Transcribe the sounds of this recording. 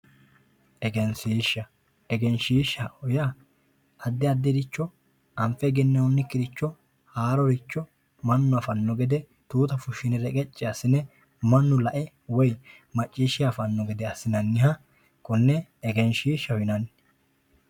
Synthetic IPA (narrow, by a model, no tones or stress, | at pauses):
ʔɛɡɛnsiːʃːɐ | ɛɡɛnʃiːʃːɐɔja | ɐd̪ːɪɐd̪ːɛd̪ɪt͡ʃːɔ | ɐmfɛɡɛnːɛɔnːɪkːɪd̪ɪt͡ʃːɔ | haːɾɔɾɪt͡ʃːɔ | mɐnːʊɐfɐnːɔɡɛd̪ɛ | t̪uːt̪ɐfʊʃːɪnɪɾɛkʼɛt͡ʃʼːɪɐsɪnɛ | mɐnːʊlɐʔɛ | wɔj | mɐt͡ʃʼːiːʃɪjafɐnːɔɡɛd̪ɛɐsɪnɐnːɪɦɐ | kʼʊnːɛɛɡɛnʃiːʃːɐhʊɪnɐnː